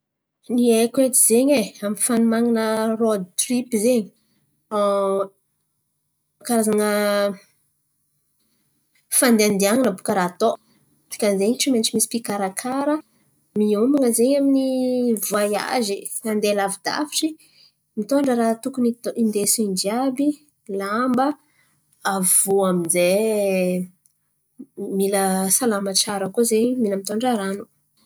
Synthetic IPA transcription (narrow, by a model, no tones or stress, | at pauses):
niekwet̪iz̥eɲeamifanumaŋinərod̪̚t̪ripizeɲi | kaɾazanə | fand̪eand̪iaŋinəbukəɾat̪o | t̪i̥kənzeɲiʈ͡ʂimenʈ͡ʂimisi̥pikaɾakʰaɾə | miomaŋəzeɲaminivuaja̰ziand̪elavid̪a̰fiʈ͡ʂi | mit̪oɳɖ͡ʐəɾat̪ukuniind̪esund͡ʒiabi | lambə | av̥uaminze | miləsalamaʈ͡ʂaɾəkuzeɲmiləmit̪oɳɖ͡ʐəɾanu̥